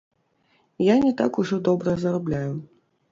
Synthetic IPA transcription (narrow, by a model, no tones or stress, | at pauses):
janʲɛt̪a̰kuʐɔd̪ɔbɾɐzɐɾablʲaju